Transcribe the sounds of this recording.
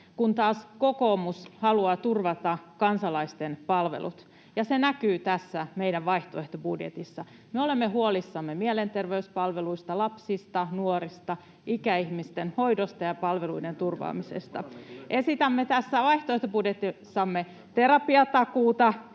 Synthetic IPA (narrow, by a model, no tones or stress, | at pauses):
kunt̪ɑːskokoːmushɑluɑt̪urʋɑt̪ɑkɑnsɑlɑist̪enpɑlʋḛlṵt̪ | jɑsenækyːt̪æsːæmeiɾæʋʋɑiht̪oeht̪obudjḛt̪isːɑ | meo̞lemːeɦuolisːɑmːemielent̪erʋeyspɑlʋeluist̪ɑlɑpsist̪ɑnuoɾist̪ɑ | ikæihmist̪enho̞idost̪ɑjɑpɑlʋeluident̪urʋɑ̰ːmisḛst̪ɑ̰ʔe̞sit̪æmːet̪æsːæʋɑiht̪oeht̪obudjet̪isːɑmːe | t̪eɾɑpiɑt̪ɑkuːt̪ɑ